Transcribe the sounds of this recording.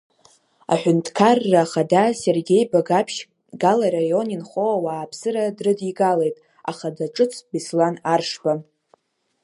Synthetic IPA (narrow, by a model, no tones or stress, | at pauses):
a̰ħʷᶣʊntʰʼkʰarːaːχadase̞rɡʲe̞jbaɡapʰʃ | ɡalaɾajo̞ninχoawaːpʰsɨɾadrɨdiɡale̞jtʼ | a̰χadaʈ͡ʂʼɨt͡sʰbislanarʂba